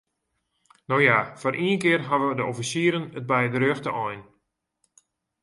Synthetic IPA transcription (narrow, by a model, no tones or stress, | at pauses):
nowjafɔrʔiənkɪərɦaʋədəofisiːɾənət̚bɛjdəɾøxtəʔɔjn